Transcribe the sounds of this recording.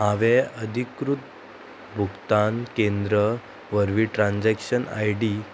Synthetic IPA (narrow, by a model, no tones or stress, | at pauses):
aʋeəd̪ʱikɾut̪̚ | bʱukt̪ankẽnd̪ɾə | ʋəɾʋiʈɾãnd͡ʑɛkɕəna̰jɖi